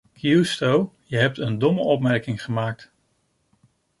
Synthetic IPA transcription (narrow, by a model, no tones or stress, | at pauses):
kʰjustowjəɦɛp̚təndɔməʔɔpmɛɹkɪŋχəmaːk̚t